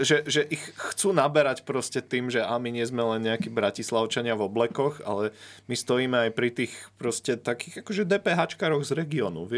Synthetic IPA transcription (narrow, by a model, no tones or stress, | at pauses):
ʒɛʒɛʔixːt͡suːnabɛɾacpɾɔscɛt̪iːmʒɛʔamiɲɪɛzmɛlɛnɲɛakiːbɾacislaʊt͡ʃaɲɪavɔblɛkɔɣa̰lɛmist̪ɔiːmɛajpɾit̪iːxpɾɔscɛt̪akiːɣakɔʒɛd̪ɛːpɛːɦaːt͡ʃkaːɾɔɣzɾɛɡiɔːnṵʋɪɛ